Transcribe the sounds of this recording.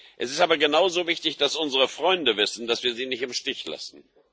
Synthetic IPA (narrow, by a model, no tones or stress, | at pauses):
ʔɛsɪstʔaːbɐɡənaʊzoːvɪçtɪçd̥asʔʊnzəʁəfʁ̥ɔʏndəvɪsn̩d̥asv̥iːɐziːnɪçtɪmʃtɪçla̰sn̩